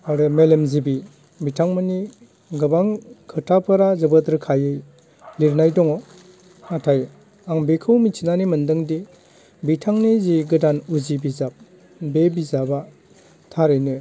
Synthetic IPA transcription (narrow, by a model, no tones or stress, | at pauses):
aɾɯmelemzibi | bitʰaŋmɯni | ɡɯbaŋkʰɯtʰapʰɯɾazɐbətɾkʰajɯj | liɾnajdɔŋɔ | atʰaj | aŋbekʰɯwmit͡ʃʰinanimɯndɯŋdi | bitʰaŋniziɡɯdanuzibizap̚ | bebizaba | tʰaɾɯjnɯ